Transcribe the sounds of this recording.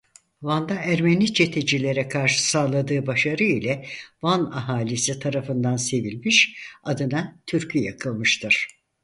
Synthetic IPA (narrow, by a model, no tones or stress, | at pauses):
vand̪aæɾmenit͡ʃʰe̞t̪ʰe̞d͡ʒilʲe̞ɾɛkʰaɾʃɯ̥saːlˠad̪ɯːbaʃaɾɯilʲɛvana̰ɦaːlʲisit̪ʰaɾafɯnd̪anse̞vilʲmiʃad̪ɯnat̪ʰyɾcʰyjakʰɯlˠmɯʃt̪ʰɯɾ̥